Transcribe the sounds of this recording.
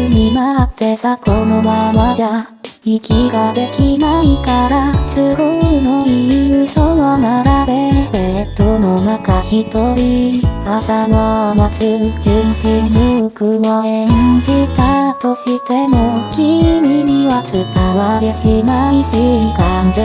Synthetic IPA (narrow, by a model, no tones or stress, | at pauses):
ɲinat̪ːe̞sakonomamad͡ʑaikʲiɡad̪e̞kʲinaikaɾat͡sɨɾonoiɯsoβanaɾaɾe̞ɯset̪ononakaçit̪oɾiasanamat͡ɕɨt͡ɕinɕinːɯkɯɡoeɲɲd͡ʑit̪at̪o̞ɕit̪e̞mokʲimʲiɲiβat͡sɨt̪aβaɡeɕinaiɕiikand͡ʑe